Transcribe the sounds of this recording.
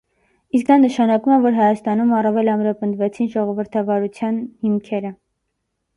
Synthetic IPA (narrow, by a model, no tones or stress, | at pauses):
iskd̪ɑnəʃɑnɑkumɛvɔɾɦɑjɑst̪ɑnumɑrɑvɛlɑmɾɑpənd̪vɛt͡sʰinʒɔʁɔvəɾt̪ʰɑvɑɾut͡sʰjɑnhimkʰɛɾə